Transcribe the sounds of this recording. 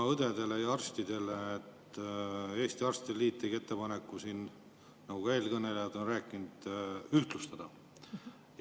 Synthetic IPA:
ɑɤd̪̥e̞d̪e̞lejɑɑrst̪id̪̥e̞le̞ːt̪ː | e̞ːst̪iɑrst̪id̪̥elːiːt̪ːeɡe̞t̪ːe̞pɑne̞kːˑusin | nɑɡuke̞ːlkɤne̞lejɑd̪o̞nræːkːˑind̪̥yht̪lust̪ɑd̪̥ɑ

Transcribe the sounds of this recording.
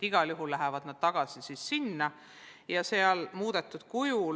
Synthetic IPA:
iɡ̥ɑljuɦulːæɦɛvɑd̪̥nɑd̪̥̚t̪ɑɡ̥ɑsisiːsːinːɑ | jɑseɑlmuːd̪̥e̞t̪ːˑud̪̥kuju

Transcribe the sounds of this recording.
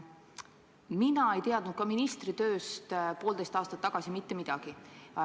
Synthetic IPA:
minɑe̞jt̪eɑd̪nud̪̥̚kɑminist̪rit̪ø̞ːst̪po̞ːld̪̥e̞jst̪ɑːst̪ɑt̪ːɑɡ̥ɑsimit̪ːemid̪̥ɑɡ̥i

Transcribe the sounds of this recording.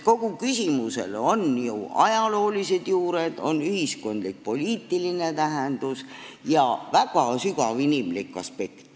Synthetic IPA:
ko̞ɡ̥ukysʲimuse̞̰lo̞njuɑjɑlo̞ːlise̞d̪̥juːɾe̞d̪̥o̞̰nːyhisko̞nd̪lik̚po̞lʲiːt̪ːˑiline̞t̪æɦend̪̥usjɑvæɡ̥ɑsykɑvinimlikːˑɑ̰spe̞kt̪

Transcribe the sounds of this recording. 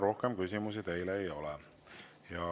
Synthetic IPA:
ɾo̞hkemkys̬ʲimus̬it̪e̞jleːjo̞lɛ | jɑ

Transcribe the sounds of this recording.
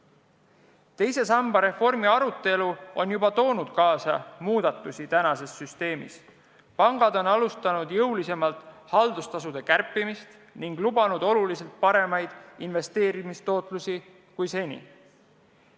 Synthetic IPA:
t̪e̞jse̞sɑmb̥ɑɾe̞fo̞rmiɑɾut̪ːˑe̞luo̞njubɑt̪o̞ːnud̪̥kɑːsɑ̰muːd̪̥ɑt̪ˑːusit̪ænɑse̞sːyst̪e̞ːmḭs | pɑŋɡ̥ɑd̪o̞nɑlust̪ɑnud̪̥jɤwlise̞mɑlt̪ˑhɑld̪ust̪ɑsud̪̥e̞kærpːˑimist̪ | niŋɡ̥lubɑnud̪̥o̞lulise̞lt̪̚pɑɾe̞mɑjd̪̥inve̞st̪e̞ːɾimist̪o̞ːt̪ˑlusi | kujse̞nʲḭ

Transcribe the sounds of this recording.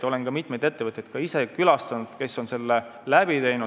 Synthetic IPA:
o̞lenkɑmit̪me̞jd̪̥e̞t̪ːe̞vɤt̪ʲːjɑjd̪̥kɑise̞kylɑst̪ɑnud̪̥ke̞sːo̞nse̞lːelæbit̪e̞jnu

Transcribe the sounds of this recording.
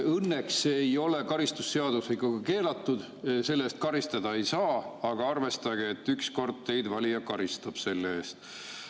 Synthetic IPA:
ɤnːeksejo̞le̞kɑɾist̪usːe̞ɑd̪̥uslikːuɡ̥ɑke̞ːlɑt̪ˑːud̪̥ | se̞lːeːst̪̚kɑɾist̪ɑd̪̥ɑe̞jsɑːɑɡ̥ɑɑrve̞st̪ɑɡeet̪ːyksko̞rd̪̥̚t̪e̞jd̪vɑlʲijɑkɑɾist̪ɑb̥se̞lːeeːst̪

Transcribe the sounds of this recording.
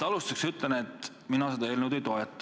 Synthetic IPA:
ɑlust̪ɑksyt̪ˑlenet̪ːˑ | minɑsed̪ɑeːlnuwd̪ejt̪o̞et̪ːˑɑ̥

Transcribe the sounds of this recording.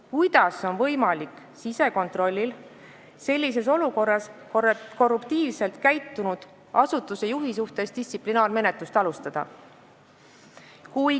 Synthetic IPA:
kujd̪̥ɑso̞nvɤ̞jmɑlikˑ | sise̞ko̞nt̪ro̞lʲːil | se̞lʲːis̬e̞s̬o̞luko̞rːɑs | ko̞rːupt̪iːvse̞lt̪kæjt̪ːunud̪̥ | ʔɑsut̪ːˑuse̞juɦis̬uht̪e̞sd̪̥ist̪siplinɑːrme̞ne̞t̪lust̪ɑlust̪ɑd̪̥ɑ̰ | kuj

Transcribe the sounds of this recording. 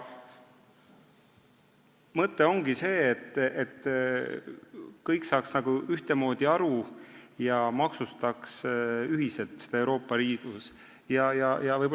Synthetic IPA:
mɤt̪ːˑe̞o̞ŋɡise̞ːt̪ːˑet̪ː | kɤjksɑːksnɑɡ̥uyht̪emo̞ːd̪̥iɑɾujɑmɑksust̪ɑksyɦise̞lt̪sed̪ɑewɾo̞ːpːˑɑɾiːd̪̥us | jɑjɑjɑvɤjbo

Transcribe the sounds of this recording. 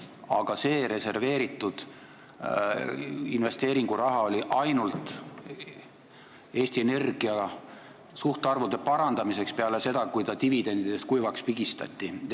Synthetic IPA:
ɑ̰ɡ̥ɑse̞ːɾe̞se̞rve̞ːɾit̪ːˑud̪̥ | inve̞st̪e̞ːɾiŋɡ̥uɾɑɦɑo̞lʲiʔɑjnult̪ˑ | e̞ːsʲt̪iene̞rɡ̥iɑ | suht̪eɑrvud̪̥e̞pɑɾɑnd̪̥ɑmis̬e̞kspeɑle̞se̞d̪̥ɑkujt̪ɑt̪ivid̪e̞nd̪id̪̥e̞st̪kujvɑkspiɡist̪ɑ̰t̪ʲːˑi

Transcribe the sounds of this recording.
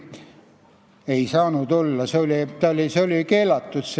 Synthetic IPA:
e̞isɑːnud̪olːɑseolʲit̪ɑolʲiseolike̞ːlɑt̪ːut̪s

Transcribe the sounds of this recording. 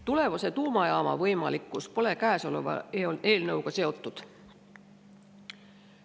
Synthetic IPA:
t̪ule̞vɑse̞t̪uːmɑjɑːmɑ̰vɤjmɑ̰likːˑuspo̞le̞kæːso̞lo̰vɑ̰eole̞ːlnɤwɡ̥ɑse̞o̞t̪ːˑud̪̥

